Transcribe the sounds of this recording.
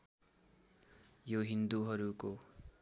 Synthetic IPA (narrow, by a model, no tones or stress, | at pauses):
joɦind̪uɦʌɾuko